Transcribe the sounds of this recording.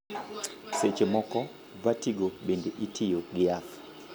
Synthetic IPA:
set͡ʃemɔkɔ | vatiɡoɓendeʔitʰɪjoɡɪaf

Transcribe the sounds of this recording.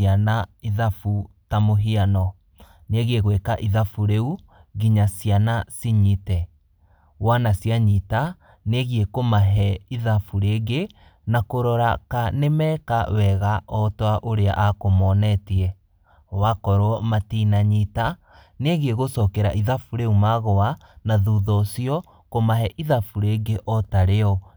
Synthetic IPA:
anaiðafutamoɦianɔ | neɣeɣwekaʔiðafuɾeuɣiɲasianasiɲitɛ | wanasjaɲita | neɣiekomaɦɛiðafuɾeɡe | nakoɾɔɾakanemɛːkawɛɣaʔɔtwaʔoɾea̰ʔakomɔnɛtiɛ | wakɔɾoɔmatinaɲita | neɣeɣosɔkɛɾaʔiðafuɾeumaɣɔanaðuðɔsiɔ | komaɦɛʔiðafuɾeɡeʔɔtaɾeɔ

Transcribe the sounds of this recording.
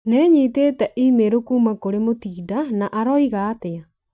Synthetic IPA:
nɛːɲiteːtɛʔimeɾokuːmakoɾemotiːdanaʔaɾɔiɣaːtea

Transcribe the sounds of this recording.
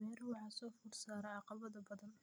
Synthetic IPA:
ɛːɾwɑħɑsɔːfʊrsaːɾɐʕɑqɑβɐðɐbɐðɐn

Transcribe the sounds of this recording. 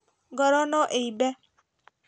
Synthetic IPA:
ɡɔɾɔnɔʔeibɛ

